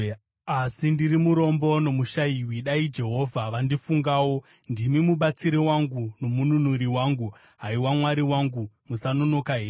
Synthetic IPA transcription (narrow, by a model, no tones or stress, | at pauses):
asindiɾimuɾo̞mbo̞no̞muʃaiwiɗaid͡ʒe̞ɦo̞vʱaʋandifuŋɡaːwo̞ | ndimimuɓat͡siɾiwaŋɡuno̞mununuɾiwaːŋɡu | ɦaiwamwaɾiwaŋɡumusanono̞kaɦeː